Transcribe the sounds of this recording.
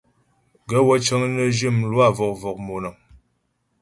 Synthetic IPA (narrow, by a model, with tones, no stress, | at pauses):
ɡə˦wə˦t͡ʃə˦ŋnə˦d͡ʒi˦˨mlwa˦˨vɔ˨k̚vɔ˨k̚mo˨nə˨